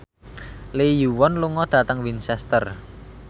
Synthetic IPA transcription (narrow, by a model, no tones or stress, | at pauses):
lejuwɔnluŋɔd̪̥a̤t̪əŋwinsɛst̪ər